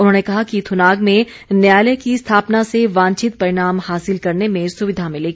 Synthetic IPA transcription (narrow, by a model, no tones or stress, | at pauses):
ʊnɦõːnekɐɦakit̪ʰʊnaːɡmẽ | njaːləkist̪ʰaːpnaseʋãːnt͡ʃɪt̪̚pɐɾɪɽ̃aːmhaːsɪlkɐɾnemẽsʊʋɪd̪ʱamɪ̃leːɡi